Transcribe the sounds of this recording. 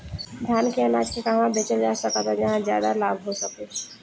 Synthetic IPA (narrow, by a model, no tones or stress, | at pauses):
d̪ʱjaːnkeɐnaːd͡ʒkekaɦʋãbeːt͡ʃəld͡ʒaːsəkat̪ad͡ʒɐɦãzja̰ːd̪alaːbʱɦosɐk̪̚e